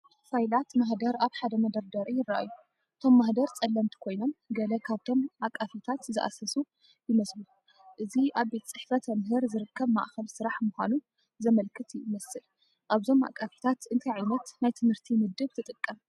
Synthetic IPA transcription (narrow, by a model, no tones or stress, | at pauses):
fajlat̪maħd̪ɐɾaβħad̪ɐmɐd̪ɐɾd̪ɐɾijɪrːaʔa̰jːu | ʔɨt̪ʰo̞mːaħd̪ɐɾt͡sʼɐlːɐmt̪ʰi̥kʰo̞jno̞mɡɐlɐkʰaβt̪ʰo̞makʼːafit̪ʰat̪zɨʔa̰sɐsu | jɪmɐslu | ʔɨziʔaβbe̞t̪ʰɐt͡sʼɨħfɐt̪ʰɐmhɨɾzɨɾɨkːɐβma̰ʔxɐlsɨɾaħmuxʷanu | zɐmɐlkʰːɨt̪jmɐsɨl | ʔaβzo̞ma̰kʼːafi̥t̪ʰat̪ɨnt̪ʰɐjʕajnɐt̪najt̪ʰɨmhɨɾt̪ʰimɨd̪ːɨβt̪ʰɨt̪ʼɨkʼːɐm